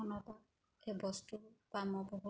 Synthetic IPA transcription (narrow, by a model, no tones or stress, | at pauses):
ɔnɔt̪ɔ | ebɔstupamɔbɔɦu